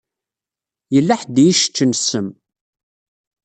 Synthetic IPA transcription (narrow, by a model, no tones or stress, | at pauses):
jəlːaħd̪jiʃə̥t͡ʃːənsəm